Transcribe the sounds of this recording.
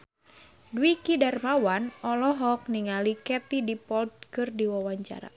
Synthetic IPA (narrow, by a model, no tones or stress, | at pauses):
dwikidarmawanɔlɔɦɔk̚niŋalikɛt̪idipɔld̪̚kɨrdiwawaɲt͡ʃa̰ɾa̰